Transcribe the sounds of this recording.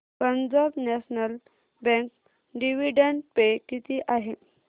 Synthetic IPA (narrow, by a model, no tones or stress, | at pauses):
pəɲd͡ʑabnɛɕnəl | bɛ̃ŋk | ɖiʋiɖəɳʈpekit̪iʔaɦe